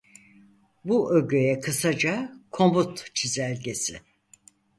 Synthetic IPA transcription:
buʔøɟøjɛkʰɯsad͡ʒakʰo̞mbut̪t͡ʃʰizælʲɟe̞sɪ̰

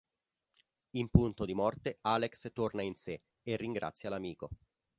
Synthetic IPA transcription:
impunt̪od̪imɔrt̪eaːlekst̪ornainse | erːiŋɡɾa̰t̪sːjalamiːko

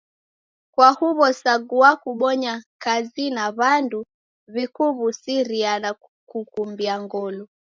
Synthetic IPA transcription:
kwahuβɔsaɡuakuɓɔɲakazinaβandu | βikuβusiɾiana | kukumbiaŋɡɔlɔ

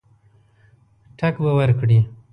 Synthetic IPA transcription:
ʈʰɐkbɐwɐɾkɽi

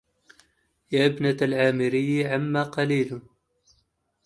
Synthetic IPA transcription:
jaːʔɪbnaalʕaːmɪɾɪjːʕamːaːqɑliːl

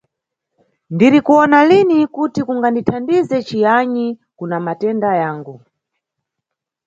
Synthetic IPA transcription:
ndiɾikuɔnalinikutikuŋɡanditʰandizɛt͡ʃijaɲikunamatɛndajaːŋɡu

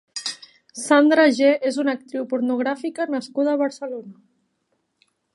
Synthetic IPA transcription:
sand̪ɾaʒeezunak̚t̪ɾiwpuɾnuɣ̞ɾafikənəskuðəːβəɾsəlonə

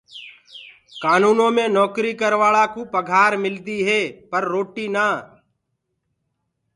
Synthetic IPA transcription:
kaːnuːnõːmẽːnɔːkɾiːkəɾʋaːɭaːkũːpəɡʱaːɾmɪld̪iːɦɛːpəɾːoːʈiːnaː

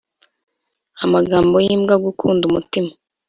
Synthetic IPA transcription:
amaɡaːmbo̞jiːmɡaɡukʰuːndumutima

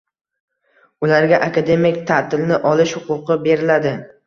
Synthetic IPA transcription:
ʊlaɾɡʲaʔakʰad̪e̞mkʲt̪ʰat̪ʰɪlnɪʔɒlɪʃhʊqʊqɨbe̞ɾɪlad̪ɪ

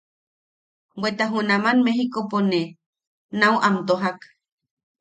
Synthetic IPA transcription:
wwet̪aɦunamanmeɦikopone | nauʔamt̪oɦak

